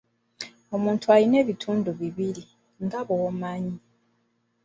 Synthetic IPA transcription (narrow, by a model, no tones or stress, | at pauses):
o̞muːntualine̞ːβitʰuːnduβiβili | ŋɡaβomaːɲi